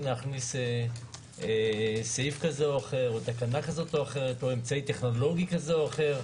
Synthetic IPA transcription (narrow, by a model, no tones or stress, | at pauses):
naχnise | sejfkazeoaχe̞ʁot̪akanakazo̞toaχe̞ʁet̪oemt͡sait̪e̞χno̞lo̞ɡikazeoaχe̞ʁ